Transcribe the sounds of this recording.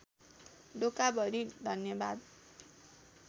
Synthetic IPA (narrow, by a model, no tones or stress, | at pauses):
ɖokabʱʌɾid̪ʱʌnjʌbad̪